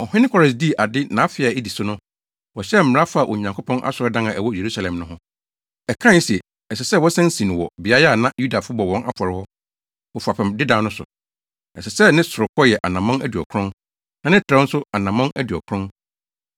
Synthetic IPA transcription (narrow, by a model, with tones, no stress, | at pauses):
ɔ˨hɪ̃˦nɪ̃˦kʰɔ˨˦ɾɛ˨s̬di˦˨ʔa˨dɪ˦nã˨˦fɪ˨a˨i˦di˨sʊ˦nʊ̃˦ | wɔ˨ɕɛ˦m̩˨m̩˨ɾa˦fa˦˨ʔɔ˨ɲã˨ŋkʰo˦pʰɔ̃˦nʔa̰˦sɔ˨ɾɪ˦dã˦nã˨ʔɛ˨wɔ˦je˨ɾu˦sa˨lɛ̃˨mnʊ̃˦ɦʊ̃˦ | ɛ˨kʰã˦n˦si˨ɛ˨ | ɛ˨sɛ˨sɛ˦wɔ˦sɛ̃˦n̩˦sĩ˨ñ˨wɔ˨bɪ˨a˦jnã˦ju˦da˨fʊ˦bɔ˨wɔ̃˦nʔa̰˦fɔ˨ɾɪ˦hɔ˦ | wɔ˨fu˨a˨pʰɛ̃˨mdɪ˦dã˦nʊ̃˦sʊ̰˨ | ɛ̰˨sɛ˨sɛ˦nɪ̃˦sʊ˨ɾʊ˨kʰɔ˦jɛ˨ʔa˨nã˨mɔ̃˦næ˦di˨ɔ̰˨kʰɾʊ̃˦n | nã˨nɪ̃˦tʰɾɛ˦n̩˦sʊ˦a˨nã˨mɔ̃˦næ˦di˨ɔ̰˨kʰɾʊ̃˦n